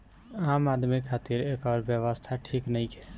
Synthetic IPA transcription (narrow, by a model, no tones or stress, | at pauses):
aːmaːd̪ʱmikʰaːt̪iɾekɔːɾbjəʋəst̪ʰaʈʰiːknəikɛ